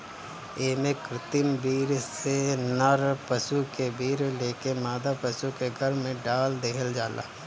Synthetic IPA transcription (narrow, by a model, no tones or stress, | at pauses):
eːmẽkɾɪt̪ɪmbiːɾsenəɾpəsukebiːɾleːkemaːd̪apəsukeɡʱəɾmẽɖaːld̪eːɦəld͡ʒaːlʔa̰ː